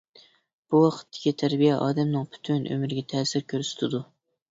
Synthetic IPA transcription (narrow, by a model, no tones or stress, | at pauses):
b̥uwɑqʰə̥t̪ʰːɪ̥kʲit̪ʰæɾbijɛʔɑ̰ːd̪ɛmnɨŋpʰy̥t̪ʰynʔø̰mɾɪɡʲɛt̪ʰɛːsɪɾkʲʰøɾsy̥t̪ʰɪd̪u